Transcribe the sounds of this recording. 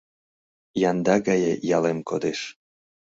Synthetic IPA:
jɑnd̪ɑɡɑjejɑlemkod̪eʃ

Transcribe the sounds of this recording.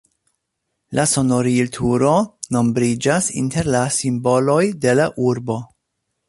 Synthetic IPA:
lʔaso̞no̞ɾiltʰuɾo̞no̞mbɾid͡ʒasḭnte̞ɾlasimbo̞lo̞jde̞laʔuɾbo̞

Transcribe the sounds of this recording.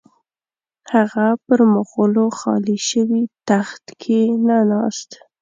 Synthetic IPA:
haɣapəɾmʊɣəloxɑ̰liʃəwit̪axt̪kʰenanɑst̪

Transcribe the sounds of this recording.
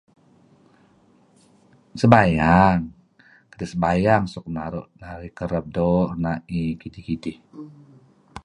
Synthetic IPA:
səbajaŋ | kədisəbajaŋsɔk̚naɾʊ̰ʔdaɾikəɾəp̚dɔnaʔikidihkidɪh

